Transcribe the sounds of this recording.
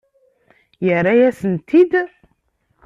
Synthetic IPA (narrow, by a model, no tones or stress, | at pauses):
jərːajæsənt̪id̪